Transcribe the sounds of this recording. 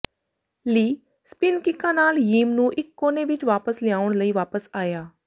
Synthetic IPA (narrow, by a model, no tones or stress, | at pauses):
liː | spɪnkɪkːãːnaːljiːmnũːʔɪkːoːneːʋɪt͡ʃʋaːpəslɪaːʊɳləiːʋaːpəsaːjaː